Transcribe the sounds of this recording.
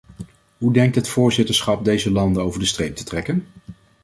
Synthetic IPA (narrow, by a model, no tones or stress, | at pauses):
ɦudɛŋk̚tɦətfʊːɹzɪtəɹsχɑp̚dejzəlɑndənowvəɹdəstrejp̚tə̥trɛkən